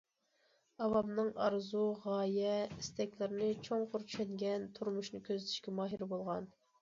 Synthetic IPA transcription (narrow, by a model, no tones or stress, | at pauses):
ɑvɑbnɨŋɑ̰ɾzuʁɑːjɛist̪ɛkʲlɪɾɪnɪt͡ʃʰoŋqʰʊɾt͡ʃʰy̥ʃɛd̪ɡʲɛnt̪ʰuɾmuʃnɨkʲøzɪt̪ʰɪ̥ʃkʲɛmɑːɦiɾbolˠʁɑn